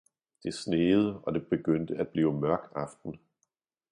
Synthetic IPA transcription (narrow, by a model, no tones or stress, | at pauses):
d̥e̝sneːð̞̩ˠəɒ̽d̥e̝b̥e̝ɡ̥øn̰d̥əæd̥̚b̥liːʊmɶɐɡ̥ɑ̈fd̥n̩